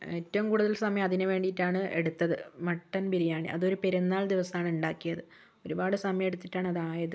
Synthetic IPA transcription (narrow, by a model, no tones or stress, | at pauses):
e̞ːtːɐʋumkuːɽuðɐlsɐmɐjɐmɐðinɨʋe̞ːɳɖijtːaːɳɨʔe̞̰ɽut̪ːɐðɨmɐʈːɐnpiɾijaːɳḭʔɐ̰ðo̞ɾupeɾunːaːɭd̪iʋɐsɐaːɳɨuɳɖaːkːijɐðɨ | o̞ɾubaːɽɨsɐmɐjɐmeɽut̪ːiʈːaːɳɨɐðaːjɐðɨ